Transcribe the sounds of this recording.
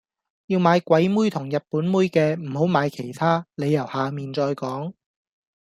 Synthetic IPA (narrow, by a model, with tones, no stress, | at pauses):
jiː˧wmaː˨˧jkʷɐ˨˥jmuː˥jt̪ʰʊ˨˩ŋjɐ˨t̚puː˨˥nmuː˥jkɛː˧m̩˨˩ho˨˥wmaː˨˧jkʰe˨˩jt̪ʰaː˥le˨˧jɐ˨˩whaː˨miː˨nt͡ʃɔː˧jkɔː˨˥ŋ